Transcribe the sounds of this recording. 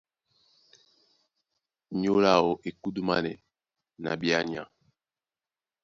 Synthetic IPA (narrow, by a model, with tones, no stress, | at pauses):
ɲo˦la˦˨o˨ʔe˨ku˦du˦ma˦nɛ̰˨ | na̰˨bi˦a˦ɲi˨a̰˨